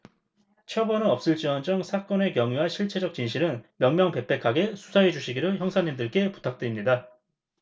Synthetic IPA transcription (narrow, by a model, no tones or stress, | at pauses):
t͡ɕʰjʌbʌnɯnʌp̚s͈ɯɭt͡ɕ͈iʌnd͡ʑʌŋsʰak͈ʌne̞kjʌŋjuɦanɕʰiɭt͡ɕʰe̞d͡ʑʌk̚t͡ɕinɕʰiɾɯnmjʌŋmjʌŋpe̞pʰe̞kʰaɡe̞sʰu̥sʰaɦe̞d͡ʑuɕʰiɡiɾɯçjʌŋsʰaɲimdɯɭk͈e̞pu̥tʰak̚t͈ɯɾimɲida